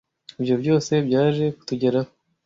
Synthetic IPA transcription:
ibjo̞bɟo̞ːse̞bɟaːʒe̞ku̥tuɟe̞ɾaho

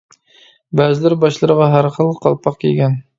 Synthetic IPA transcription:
bæːzɪlɪɾbɑʃlˠɨɾəʁɑɦæɾχəlˠqʰɑ̰lˠpʰɑqkʲʰḭɡʲɛn

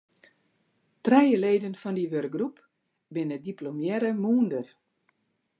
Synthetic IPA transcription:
trɛjəleːdənfɔndiʋørk̚ɡrup | bɪnədiplomjɛɾəmuːndər

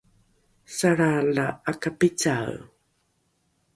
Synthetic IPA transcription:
saɾalaakapit͡saw

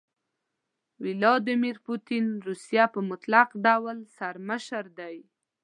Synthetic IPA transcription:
wɪlɑd̪ɪmiɾput̪inɾusijapəmʊt̪laqɖawəlsaɾməʃəɾd̪aj

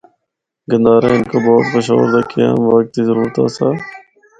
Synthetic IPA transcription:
ɡə̃nd̪aːɾḛ̃ːɪnkoːbɔːt̪bəʃa̰ːʋəɾd̪aːkʰijã̰ːmʋaːk̚t̪izəɾuːɾt̪a̰ːsaː

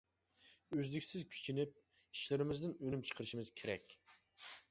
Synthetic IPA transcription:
øzlɪkʲsɪzkʲʰy̥t͡ʃʰinɪp̚ | iʃlɪɾɪmɪzd̪ɪnønymt͡ʃʰə̥qʰəɾɨʃimɪz̥kʲʰeɾɛ̰kʲ

